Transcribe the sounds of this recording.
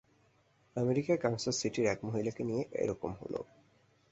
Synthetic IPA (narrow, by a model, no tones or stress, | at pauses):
ameɾikakaw̃sasiʈiɾɛkmoɦilakenijeʔḛɾɔkomɦo̰lo̰